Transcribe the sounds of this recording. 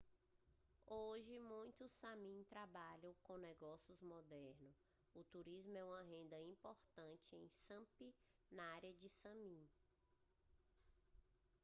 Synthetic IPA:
oʒɪmũj̃t̪ʊsamĩt̪ɾabaʎɐ̃w̃kõnɛɡɔsiʊzmɔd̪ɛɾnʊs | ʊt̪uɾizmʊɛũmɐɦẽnd̪ɐĩpoɾt̪ɐ̃t͡ʃɪẽj̃sɐ̃pi | nɐaɾiɐd͡ʒɪsɐ̃mĩ

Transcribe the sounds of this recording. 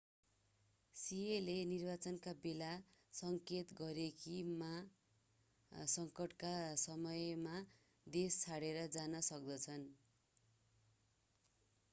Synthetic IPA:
sielenirbat͡sʌnkabelasʌŋket̪ɡʌɾekima | sʌŋkʌʈkasʌmʌjma | d̪est͡sʰaɽeɾʌd͡zanʌsʌk̚d̪ʌt͡sʰʌn

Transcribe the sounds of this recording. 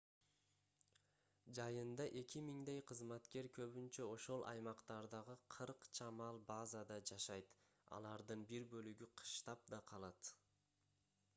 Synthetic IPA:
d͡ʒɑjɯnd̪ɑʔe̞kʲimiŋd̪ejqʰəzmɑt̪ke̞ɾkʰøβynt͡ʃøo̞ʃo̞lˠʔɑ̰jmɑqt̪ɑɾd̪ɑʁɯqʰɯɾqt͡ʃʰɑmɑlˠbɑzad̪ɑd͡ʒɑʃɑjt̪ | ɑ̰lˠɑɾd̪ɯnbiɾbø̞lyɡyqʰɯ̥ʃt̪ɑp̚d̪ɑqʰɑlˠɑt̪

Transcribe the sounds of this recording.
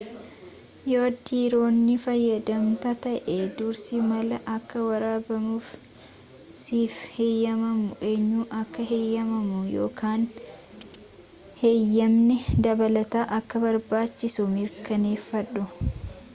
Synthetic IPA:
joːd̪iːɾo̞ːnːɪfɐjːɐd̪ɐmt̪ɐt̪ɐʔed̪ʊɾsimɐlɐʔɐkːɐwɐɾaːbɐmuːf | siːfhejːɐmɐmʊʔeɲːuːʔɐkːɐɦejːɐmɐmʊjo̰ːkaːn | hejːɐmnɛd̪ɐbɐlɐt̪aːʔɐkːɐbɐɾbaːt͡ʃːɪsʊmɪɾkɐne̞ːfːɐᶑʊ

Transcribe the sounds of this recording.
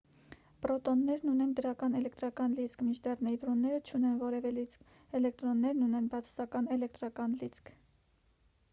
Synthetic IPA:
pɾɔt̪ɔnːɛɾnunɛnd̪əɾɑkɑnɛlɛkt̪ɾɑkɑnlit͡sʰkʰmint͡ʃʰd̪ɛrnɛjt̪ɾɔnːɛɾət͡ʃʰunɛnvɔɾɛvɛlit͡sk | ɛlɛkt̪ɾɔnːɛɾnunɛnbɑt͡sʰɑ̥sɑkɑnɛlɛk̚t̪ɾɑkɑnlit͡sʰkʰ

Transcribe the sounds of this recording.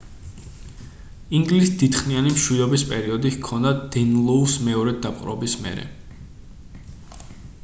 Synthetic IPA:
iŋɡlisd̪it̪χnianimʃwid̪ɔbispʼɛɾiɔd̪ikʰɔnd̪ad̪̥ɛnlˠɔusmɛɔɾɛd̪apʼqʼɾɔ̰bismɛ̰ɾɛ̰

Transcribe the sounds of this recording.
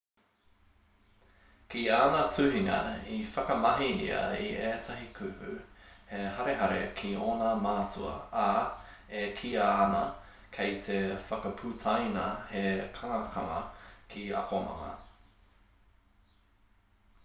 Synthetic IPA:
kiaːnatʰʉɦiŋɐ̰ifɐkɐmɐɦiḭɐ̰iʔeːtʰɐɦikʰʉhʉ̰heɦɐɾeɦɐɾḛkʰioːnamaːt͡sʰuɐ̰a | ekʰiaːnɐ | kʰejt̪ʰefɐkɐpʰʉtʰajnɐhekʰaŋɐkʰɐŋɐ̰kʰiɐ̰komɐ̰ŋɐ̰

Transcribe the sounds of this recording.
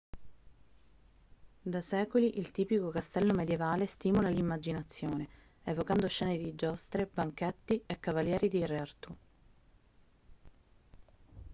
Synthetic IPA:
d̪asɛːkoliʔilt̪iːpikokast̪ɛlːomed̪jevaːlest̪iːmolalimːad͡ʒinat̪sːjoːne | evokand̪oʃɛːned̪id͡ʒɔst̪ɾebaŋket̪ːiekːavaljɛːɾid̪ireart̪u

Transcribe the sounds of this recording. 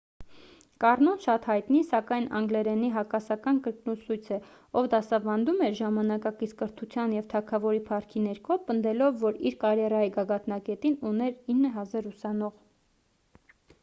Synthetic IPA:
kɑrnɔnʃɑt̪hɑjt̪nisɑkɑjnʔɑ̰ŋɡlɛɾɛniɦɑkɑsɑkɑnkəɾknusujt͡sʰɛ | ɔvd̪ɑsɑvɑnd̪umɛɾʒɑmɑnɑkɑkit͡sʰkəɾt̪ʰut͡sʰjɑnjɛvt̪ʰɑkʰɑvɔɾipʰɑɾkʰinɛɾkʰɔpənd̪ɛlɔvːɔɾiɾkɑɾjɛrɑjiɡɑɡɑt̪nɑkɛt̪inunɛɾinːəɦɑzɑɾusɑnɔʁ

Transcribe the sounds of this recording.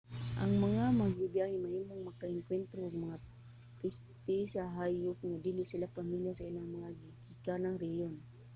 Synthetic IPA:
ʔɐŋmɐŋamɐɡɪbjahɪnmɐhiːmoŋmɐkaʔɪŋkwɛnt̪ɾokːɡmɐŋa | pɛst̪ɪsaɦajop̚ŋad̪ilɪsɪlapɐmiljasɐɪlaŋmɐŋaɡɪkikanaŋɾɛhjon

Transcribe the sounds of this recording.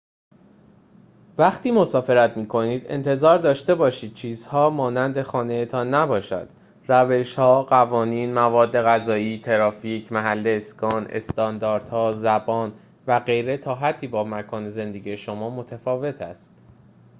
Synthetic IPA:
væxt̪iːmo̞sɒːfe̞ɾæt̪miːkʰo̞niːd̪e̞̰nt̪ʰe̞zɒːɾd̪ɒːʃt̪e̞bɒːʃiːd̪̥̚t͡ʃʰiːzhɒːmɒːnænd̪e̞xɒːne̞jet̪ʰɒnːæbɒːʃæ̰nd̪̥ | ɾæve̞ʃhɒːɢævɒːniːnmævɒːd̪ːe̞ɣæzɒːiːt̪ʰe̞ɾɒːfiːcʰmæɦælːeːskɒːne̞̰st̪ɒnd̪ɒːɾd̪hɒːzæbɒːn | væɢe̞jɾe̞t̪ʰɒːɦæd̪ːiːbɒːmækʰɒːne̞ze̞nd̪e̞ɡije̞ʃomɒːmo̞t̪ʰæfɒːve̞t̪ʰæ̰st̪

